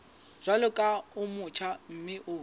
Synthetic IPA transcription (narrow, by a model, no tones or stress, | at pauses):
z̥ʷalʊkʼaʊmʊt͡ʃʰam̩mɪʔʊː